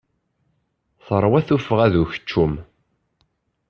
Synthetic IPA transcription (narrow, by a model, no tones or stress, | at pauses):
θəɾˤwæθufəʁæðuçə̥t͡ʃːum